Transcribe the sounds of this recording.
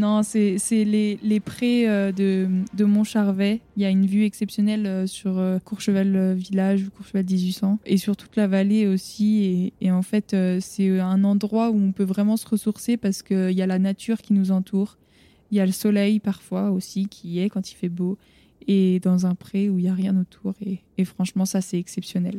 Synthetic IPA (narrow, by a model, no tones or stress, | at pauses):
nɔ̃sɛsɛlelepχɛød̪əd̪əmɔ̃ʃaʁvɛiljaynvyɛksɛpsjɔnɛløsyʁøkuʁʃəvaløvilaʒukuʁʃəvald̪izɥisɑ̃esyʁt̪u̥t̪lavaleosieːɑ̃fɛt̪øsɛɛ̃nɑ̃d̪ʁwauɔ̃pøvʁɛmɑ̃səʁəsuʁsepaʁsə̥kəiljalanat̪ʰyʁkʲinuzɑ̃t̪ʰuːʁ | ijaləsɔlɛjpaʁfwaosikʲʰiɛkɑ̃t̪i̥fɛbo | ed̪ɑ̃zɛ̃pχeuiljaʁjɛ̃not̪ʰuʁeː | fχɑ̃ʃmɑ̃sasɛɛksɛpsjɔnɛl